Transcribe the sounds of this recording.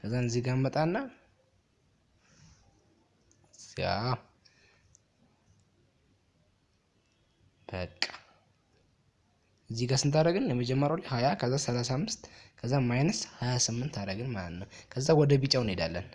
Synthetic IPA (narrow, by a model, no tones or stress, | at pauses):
kʰəzːanɨziɡamːət̪ʼanːa | ja | b̥əkʼːḁ | ʔɨzːiɡasɨnt̪ʰaɾəɡɨnjɛməd͡ʒɛmːəɾawlːahajakʰəzːasəlasaamːɨst̪kʰəzːamːajnɨshajasɨmːɨnt̪ʰaɾəɡɨnmalət̪nəwkʰəzːawɔd̪əbit͡ʃʼawned̪alːə̰n